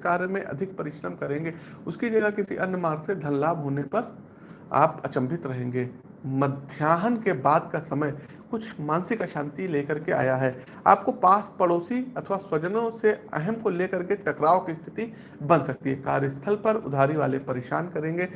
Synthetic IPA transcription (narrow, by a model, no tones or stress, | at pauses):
kaːɾjəmẽʔɐ̰d̪ʱɪk̚pɐɾɪʃɾəmkɐɾẽːŋɡeː | ʊskid͡ʒɐɡakɪsḭʔɐnːəmaːɾsed̪ʱɐnlaːbɦoːnepɐɾ | a̰ːpɐ̰t͡ʃə̃mbʱɪt̪ɾɐɦẽːŋɡeː | mɐd̪ʱjaːɦənkebaːd̪kasɐməj | kʊt͡ʃʰmaːnsɪkəʃãːnt̪ileːkɐɾkea̰ːjaɦɛː | a̰ːp̚kopaːspɐɽoːsiɐt̪ʰʋaswɐd͡ʒənõseɐ̰ɦɛmkoleːkɐɾkeʈɐkɾaːokist̪ʰɪ̥t̪i | bɐ̃nsɐk̚t̪iɦɛka̰ːɾjəst̪ʰəlpɐɾʊ̰d̪ʱaːɾiʋa̰ːlepɐɾeːʃa̰ːnkɐɾẽːŋɡeː